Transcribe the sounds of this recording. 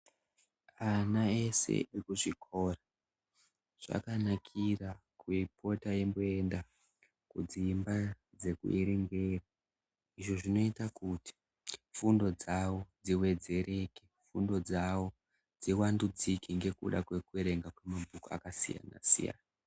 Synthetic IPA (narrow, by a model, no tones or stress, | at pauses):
anae̞se̞̰ikuʐikʰo̞ra | ʐ̥a̰kanakʰirakuipʰo̞tajemboe̞nda | kud͡zimba | d͡ze̞kṵeɾeŋɡe̞ːra | iʐo̞ʐino̞itakuti̥ | fundo̞d͡zawo̞d͡ziwe̞d͡ze̞ɾʔe̞kefundo̞d͡zawo̞ | d͡ziwandud͡zikiŋɡe̞kṵɗakwe̞kueɾe̞ŋɡakwe̞mabʱukoa̰kasḭja̰na̰sḭja̰ːna